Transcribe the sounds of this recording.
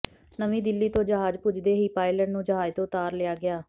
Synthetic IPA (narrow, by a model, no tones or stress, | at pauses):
nəmĩːd̪ɪlːiːt̪õːd͡ʒəɦaːd͡ʒpʊd͡ʒd̪eːɦiːpaːɪləʈnũːd͡ʒəɦaːd͡ʒt̪õːt̪aːɾlɪjaːɡɪaː